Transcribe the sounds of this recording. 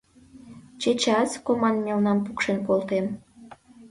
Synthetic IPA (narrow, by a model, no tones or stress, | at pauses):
t͡ɕet͡ɕɑskomɑnmʲelnɑmpukʃenkolt̪em